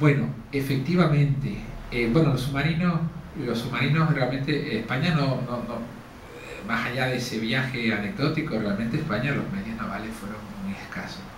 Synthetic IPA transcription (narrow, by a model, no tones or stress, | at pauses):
bwe̞no | e̞fe̞k̚t̪iβamẽ̞nt̪eebwe̞nolo̞sumaɾinohlo̞sumaɾinohrealmẽ̞nt̪e̞ʔehpaɲano̞nono | masaʎaðe̞se̞βjaxe̞ane̞ɡ̚ðo̞t̪ikorealmẽnt̪ehpaɲalo̞hmeðjo̞znaβale̞hfwe̞ɾo̞ŋmuehka̰so